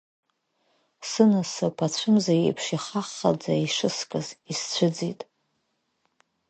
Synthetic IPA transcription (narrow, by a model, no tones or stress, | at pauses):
sɨnasɨpʰat͡ɕʷʰɨmzajḛjpʰʂiχaχːa̰d͡zaiʂɨskʼɨzist͡ɕʷʰɨd͡zitʼ